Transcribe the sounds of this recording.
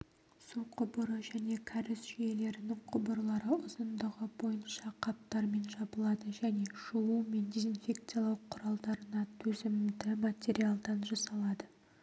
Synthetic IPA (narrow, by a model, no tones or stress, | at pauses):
suqʰʊbəɾəʒæne̞kʲʰaɾɪsʒʏje̞le̞ɾɪnɪŋqʰʊbəɾlˠɑɾəʊzənd̪əʁəbo̞jənʃɑqʰɑp̚t̪ɑɾme̞nʒɑbəlˠɑd̪əʒæne̞ʃuume̞nd̪ʲezinfʲe̞kt̪sɨjalˠɑwqʰʊɾɑlˠd̪ɑɾənɑt̪ʰɵzɪmd̪ɪmat̪ʲe̞ɾialˠd̪ɑnʒɑsɑlˠɑd̪ə